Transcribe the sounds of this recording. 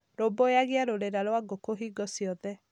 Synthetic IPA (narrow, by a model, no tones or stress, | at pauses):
ɾobojaɣeaɾoɾeɾaɾowaɡokoɦiːɡɔsiɔðɛ